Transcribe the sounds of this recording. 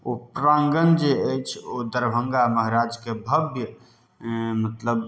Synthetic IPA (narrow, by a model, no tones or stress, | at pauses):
opɾãŋɡənd͡ʒeəjt͡ʃʰod̪əɾbʱəŋɡaməɦɾad͡ʒkebʱəbʱjə | mət̪ləb